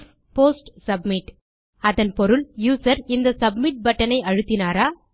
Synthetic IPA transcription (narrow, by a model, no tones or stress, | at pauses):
poːsʈsɐb̚mɪʈ | ɐðɐnpɔɾɯljuːsɐɾɪnd̪ɐsɐb̚mɪʈ̚bɐʈːɐnɐɪɐɻɯt̪ːɪnaːɾaː